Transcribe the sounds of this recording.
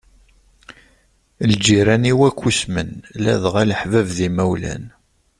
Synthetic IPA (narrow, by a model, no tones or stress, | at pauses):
ld͡ʒiɾæniwækʷːusmənlæðʁæləħvəvðimæwlæ̰n